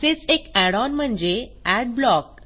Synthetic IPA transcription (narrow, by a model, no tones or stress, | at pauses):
set͡sekɛɽɔnm̤əɳd͡ʑeæɖ̚blɔk̚